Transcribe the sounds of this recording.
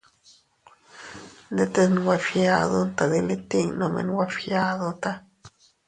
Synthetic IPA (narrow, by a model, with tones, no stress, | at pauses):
d̪e˦t̪e˧sn˧wa˧fja˧d̪o˦nt̪a˨d̪i˧le˦t̪i˦˧ŋno˧mḛ˧nwa˦fja˧d̪o˦t̪a˦